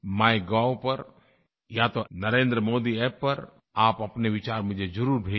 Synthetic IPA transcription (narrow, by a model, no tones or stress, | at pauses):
maːiɡaːwpɐɾ | jat̪onɐɾẽːnd̪ɾəmoːd̪iɛpːɐɾ | aːpɐpneʋɪt͡ʃaːɾmʊd͡ʒʱed͡ʒɐɾuːɾbʱeː